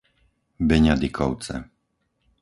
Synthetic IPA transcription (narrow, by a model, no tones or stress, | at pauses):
bɛɲad̪ikʰɔʊt͡sɛ̰